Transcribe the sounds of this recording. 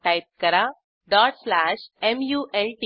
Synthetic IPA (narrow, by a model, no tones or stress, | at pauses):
ʈaɪp̚kɐɾa | ɖaːʈslaːʃemjuːʔelʈi